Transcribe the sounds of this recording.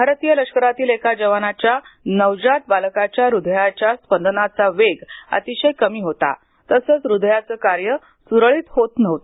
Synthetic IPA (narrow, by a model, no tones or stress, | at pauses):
bʱaɾt̪ijələkʂkəɾat̪iːlekʰad͡ʑəʋanat͡ɕjanəʋd͡ʑat̪̚balkat͡ɕjaɾud̪ʱjat͡ɕjaspənd̪ənat͡saʋeɡə̰t̪iɕəjkəmiːɦot̪a̰ | t̪əsəːt͡sɾud̪ʱjat͡səːkaɾjə | suɾɭiːt̪hot̪nəʋt̪o